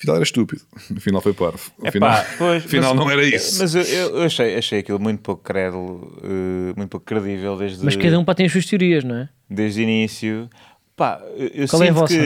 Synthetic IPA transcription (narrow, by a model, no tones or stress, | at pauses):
finalˠɛɾɐʃt̪upiðuufinalˠfojpɔɾfu̥uɛfinpapojʃfinmalˠnɐ̃w̃ɛɾɐismɐzewewewɐʃɐjɐʃɐjɐkilˠmũj̃t̪u̥pokkɾɛðulˠuɛmũt̪̚pokkːɾɨðivɛlˠd̪eʒðmɐʃkɐðɐũpat̪ɐ̃j̃ɐʃsuɐʃt̪juɾiɐʒñɛ | d̪eʒd̪uinisju | pa̰ɛʔewswal̃ˠɛtvɔsk